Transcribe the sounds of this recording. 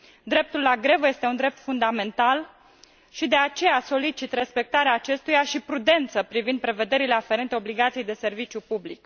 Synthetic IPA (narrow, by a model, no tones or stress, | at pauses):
d̪ɾe̞p̚t̪ulːaɡɾe̞vəje̞st̪e̞und̪ɾe̞p̚t̪fund̪ame̞nt̪al | ʃid̪e̞at͡ʃe̞jaso̞lit͡ʃit̪re̞spe̞k̚t̪aɾeaːt͡ʃe̞st̪ujaʃipɾud̪e̞nt̪səpɾivind̪̚pɾe̞ve̞d̪e̞ɾile̞afe̞ɾent̪eo̞bliɡat̪sijejd̪e̞se̞rvit͡ʃjupublik